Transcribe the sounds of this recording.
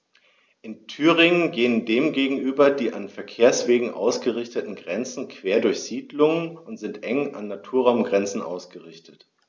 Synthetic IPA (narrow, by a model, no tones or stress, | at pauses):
ʔɪntʰyːʁɪŋənɡeːəndeːmɡeːɡŋ̩ʔyːbɐdiːʔanfɛɐkʰeːɐsv̥eːɡŋ̩ʔa̰ʊsɡ̥əʁɪçtətn̩ɡʁɛnt͡sn̩kʰv̥eːɐdʊɐçz̥iːdlʊŋənʊntz̥ɪntʔɛŋa̰nːatʰuːɐʁaʊmɡʁɛnt͡sn̩ʔa̰ʊsɡ̥əʁɪçtʰət